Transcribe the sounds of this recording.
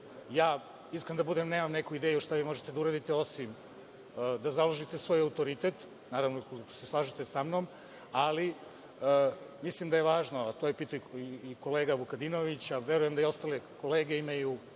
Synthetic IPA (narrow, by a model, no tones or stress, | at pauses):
jaː | iskɾend̪abud̪emne̞ːmamnekuid̪eːjuʃt̪aʋimo̞ʒet̪ed̪auɾaːd̪it̪eo̞simː | d̪azaloʒit̪esʋo̞ːjaut̪oɾit̪e̞t̪ | naːɾaʋnokoliko̥seslˠaːʒit̪esamnom | ali | əmislimd̪ajeʋaːʒnoat̪o̞ːjepit̪ujiko̞leːɡaʋukad̪inoʋit͡ɕaʋeɾuje̞md̪aio̞st̪aleko̞le̞ːɡe̞imaju